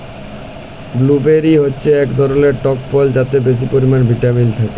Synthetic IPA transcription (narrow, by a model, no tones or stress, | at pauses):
blubeɾiɦotːɕʰeɛkd̪ʱɔɾoleɾʈɔkpɔld͡ʑat̪ebeʃ̬ipoɾimanbʱiʈamilt̪ʰake